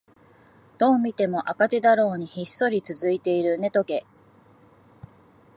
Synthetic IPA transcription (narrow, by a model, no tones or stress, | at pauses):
d̪̥o̞ːmʲit̪e̞mo̞ʔakat͡ɕid̪aɾo̞ːɲ̟içisːo̞ɾʲit͡sɨzɨit̪e̞iɾɯ̟ne̞t̪o̞ke̞